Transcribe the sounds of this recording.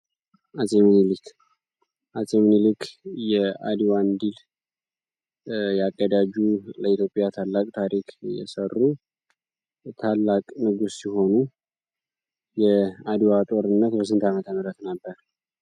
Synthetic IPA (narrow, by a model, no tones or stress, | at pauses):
azʼemnilik | ʔazʼemnilikʰjɛa̰d̪iwand̪il | jaɡʼːəd̪ad͡ʒuləit̪jo̞pʼjat̪ʰalːakʼt̪ʰaɾikʰʼjɛ̰sərːu | t̪ʰalːakʼnɨɡusːiho̞nu | jɛad̪iwat̪ʼo̞ɾɨnːət̪bəs̬ɨnt̪ʰamət̪ʰəməɾət̪nəbːəɾ